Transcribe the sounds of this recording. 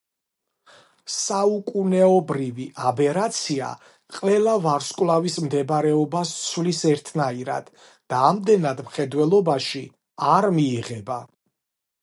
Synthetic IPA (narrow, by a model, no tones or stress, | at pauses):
saukʼunɛɔbɾiviʔabɛɾat̪sʰia̰ | qʼvɛlˠavaɾskʼwlˠavismd̪ɛbɾɛɔbassʰvlisɛɾt̪ʰnaiɾa̰d̪̥ | d̪̥aːmd̪ɛnad̪mχɛd̪wɛlˠɔbaʃi | aɾmiːʁɛba